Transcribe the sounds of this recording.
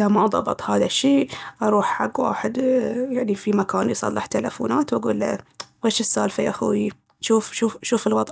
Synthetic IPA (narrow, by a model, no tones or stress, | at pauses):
amaðˤɑ̰bɨt̪ˤhaːðaʃːiːʔɑɾˤuːħħaɡːwa̰ːħɪd̪jaʕnifimakaːnjsˤɑ̰lːɪħt̪ala̰fṵːnaːt̪waɡṵːlːa̰weːʃɪsːaːlfaʔaxuːi | ʃuːfʃuːfʃuːfɪlwɑðˤ